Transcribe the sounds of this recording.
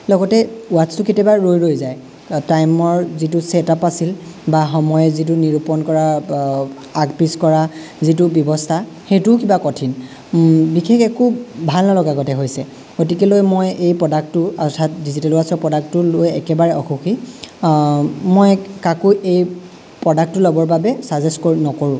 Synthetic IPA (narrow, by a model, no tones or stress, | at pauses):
lɔɡɔtɛuatstʊketjabaɹojɹojzaj | tajmɔɹzitʊsɛtapasilbaxɔmɔjzit̬ʊniɹupɔnkɔɹa | aɡpiskɔɹa | zitʊbjɔbɔstʰa | xetʊkibakɔtʰin | bikʰekɛkʊbʱalnalɔɡaɡɔtɛɦojsɛ | ɡ̥ot̬ik̬ɛlojmojejpɹɔdak̚tʊatʰatdizitalʊasɔpɹɔdak̚tʊlojɛkɛbaɹɛɔxuxi | mojkakuʔej | pɹɔdak̚tːulɔbɔɹbabɛsazɛskonɔkoɹʊ̃